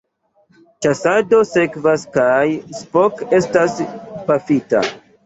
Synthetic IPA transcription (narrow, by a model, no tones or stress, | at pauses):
t͡ʃasado̞se̞kvaskajspoke̞staspafita̰